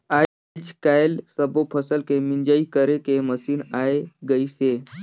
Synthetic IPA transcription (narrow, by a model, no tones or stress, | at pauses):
a | d͡ʒkajlsəbopʰəsəlkemind͡ʒaikəɾekeməsiːnaeɡəise